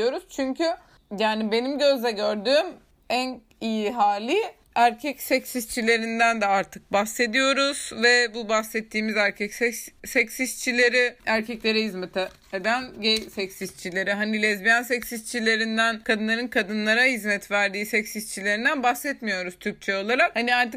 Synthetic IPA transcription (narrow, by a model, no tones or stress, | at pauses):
jo̞ɾuz̥t͡ʃʰyɲcʰy | jaːnibe̞nimɟøzd̪ɛɟøɾd̪yːm | æn | ijiɦaːlʲi | æɾcʰɛcsɛcsist͡ʃʰilʲe̞ɾind̪ænd̪ɛaɾt̪ʰɯk̚base̞d̪ijo̞ɾuz̥vɛbubahsɛt̪ʰːiːmizæɾcʰɛcsɛsɛcsist͡ʃʰilʲe̞ɾiæɾcʰɛclʲe̞ɾɛhizmɛt̪ʰɛ | ed̪ænɟejsɛcsist͡ʃʰilʲe̞ɾiɦanilʲɛzbijansɛcsist͡ʃʰilʲe̞ɾind̪ænkʰad̪ɯnˠaɾɯnkʰad̪ɯnlˠaɾahizmɛt̪væɾd̪iːsɛcsist͡ʃʰilʲeɾind̪ænbahsɛt̪mijo̞ɾuz̥t̪ʰyɾc̚t͡ʃʰɛo̞lˠaɾakhaniaɾt̪ɯk